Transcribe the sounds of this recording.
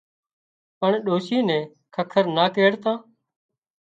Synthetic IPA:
pəɳɗoːsiːnɛ̃ː | kʰəkʰəɾnaːkeːɽt̪ãː

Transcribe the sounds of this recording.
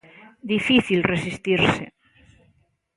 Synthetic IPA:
d̪ifiθilresist̪iɾsḛ

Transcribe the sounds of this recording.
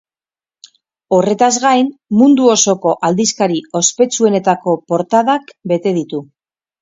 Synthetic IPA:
o̞re̞t̪azɣajnmund̪uo̞so̞ko̞ʔald̪iskaɾio̞spe̞t͡sue̞ne̞t̪ako̞po̞ɾt̪aðakbe̞t̪e̞ðit̪u

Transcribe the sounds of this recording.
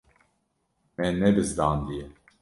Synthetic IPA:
mɛnːɛbɨzd̪aːnd̪ijɛ

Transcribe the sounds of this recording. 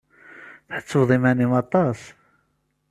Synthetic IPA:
θħət͡sːəðˤimænimɑt̪ˤɑs

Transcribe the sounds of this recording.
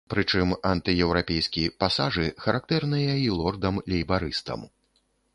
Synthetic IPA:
pɾɨt͡ʂɨmant̪ɨjɛwɾapʲɛjskʲijpasaʐɨxɐɾʔak̚t̪ɛrnɨjailˠɔrd̪ɐmlʲɛjbaɾɨst̪ɐ̰m

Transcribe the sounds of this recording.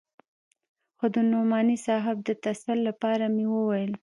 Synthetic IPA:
xod̪ənumɑnisɑɦɪb̚d̪ət̪asalːapɑɾamewəwajəl

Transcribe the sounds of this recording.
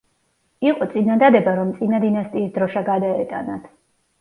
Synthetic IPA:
iqʼɔt̪sʼinad̪ad̪ɛbaɾɔmt̪sʼinad̪inast̪ʼiːsd̪ɾɔʃaɡad̪aɛt̪ʼa̰nat̪ʰ

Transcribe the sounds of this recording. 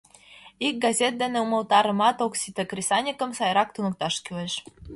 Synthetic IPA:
ik̚ɡɑzʲet̪̚d̪eneumɤ̆lt̪ɑɾə̆mɑt̪oksit̪ekrʲisɑnʲikə̆msɑjɾɑk̚t̪unɤk̚t̪ɑʃkyleʃ

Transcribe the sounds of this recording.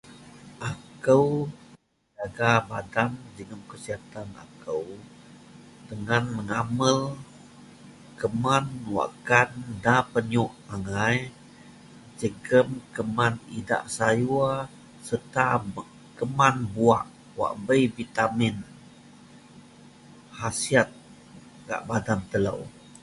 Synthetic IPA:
ʔakəw | d͡ʒaɡabadamd͡ʒəŋəmkəsiɦat̪ana̰kəw | dəŋanməŋaməl | kəmanwa̰ʔkandapəɲuʔaŋaj | d͡ʒəɡəmkəmanida̰ʔsajua | sərt̪a | kəmanbuaʔ | wa̰ʔbəjvit̪amɪn | hasiat̪̚ | ɡa̰ʔbadant̪əla̰w

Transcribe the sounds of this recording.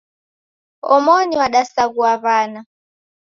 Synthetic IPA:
ɔmɔniwaɗasakuaβaːna

